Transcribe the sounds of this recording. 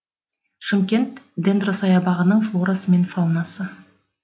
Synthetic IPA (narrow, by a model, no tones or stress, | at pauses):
ʃəmkʲe̞nt̪d̪end̪rosɑjɑbɑʁənəɴflˠo̞ɾasəme̞nfɑlˠnɑsə